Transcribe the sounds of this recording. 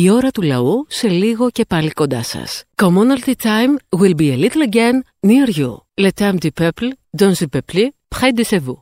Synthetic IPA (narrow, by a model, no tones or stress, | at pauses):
io̞ɾɐt̪ulɐ̰use̞liɣo̞ce̞pɐlikond̪ɐ̰sɐ̰skomonɐlt̪it̪ajmwilbielit̪lɐɟenː | iɐɾʝṵlet̪ɐmd̪ipepld̪onzipeplipxɐjd̪isevu